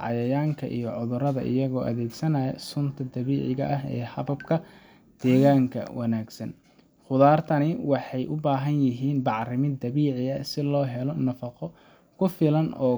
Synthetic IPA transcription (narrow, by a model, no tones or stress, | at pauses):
ʕɑ̰jɐjaːŋkʰɐ̰ʔijɞʕʊðʊɾɐðɐ̰ʔɪ̰jɐɣɔːʔɐðɛːɡsɐnɐjɐsʊnt̪ʰɐd̪ɐβiːʕɪɣɐʔɐɦɛ̰ːhɐβɐb̚kʰɐ | d̪̥ɛːɣaːŋkʰɐ̰wʔɑnaːɡsɐ̰n | χʊðaːrt̪ʰɐnɪwɑħɑjʔʊbaːɦɐnjɪɦiːnbɑʕrɪmɪd̪ɐβiːʕɪɐsɪlɔːɦɛlɔnɐfɑqɔ | kʰʊfɪlɐnɔ̰ː